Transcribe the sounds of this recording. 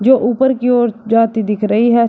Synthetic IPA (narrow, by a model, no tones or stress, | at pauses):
d͡ʒoːʔuːpəɾkioːɾd͡ʒaːt̪id̪ɪkʰɾəɦiɦɛ